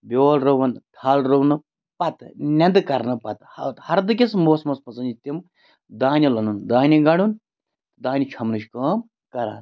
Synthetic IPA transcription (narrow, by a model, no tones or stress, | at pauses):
bʲoːlɾɐʋɐnd̪ʱʰaːlɾownɨ | pɐt̪nʲɐnd̪ɨkɐɾnɨpɐt̪hɐt̪hɐɾd̪ɨkʲesmoːsmɐspɐsɐnd͡ʒit̪im | d̪aːnʲilɐnund̪aːnʲiɡɐɽun | d̪aːnʲit͡ʃʰɐmnɨʃkɐːm | kɐɾa̰ːt̪